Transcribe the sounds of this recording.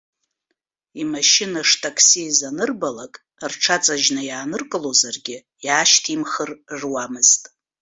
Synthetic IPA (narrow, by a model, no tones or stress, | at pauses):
imaʃɪnaʂtʰʼakʰsiːzanɨrbalakʼ | rʈ͡ʂʰat͡sʼaʒnajaːnɨrkʼɨlozarɡʲɪ | jaːʃtʰimχərrwamɨztʼ